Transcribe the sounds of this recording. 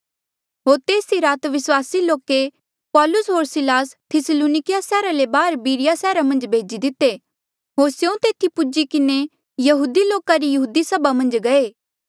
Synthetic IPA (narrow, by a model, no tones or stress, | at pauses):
ɦoːɾt̪eːsiɾaːt̪ʋɪswaːsiloːke | pɔːlʊsɦoːɾsɪlaːst̪ʰɪsəloːnɪkɪjasɛːɾalebaːɾbiːɾɪjasɛːɾamɐ̃nd͡ʒbʱeːd͡ʒid̪ɪt̪ːe | ɦoːɾsjõt̪eːt̪ʰipʊd͡ʒikɪne | jɐɦuːd̪iloːkaɾijɐɦuːd̪isɐbamɐ̃nd͡ʒɡɐeː